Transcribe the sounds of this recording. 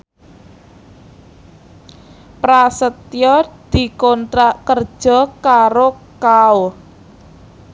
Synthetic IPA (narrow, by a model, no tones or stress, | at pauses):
pɾasət̪jɔd̪̥i̤kɔnt̪ɾaʔkər̥ʒ̥ɔ̤kaɾo | kao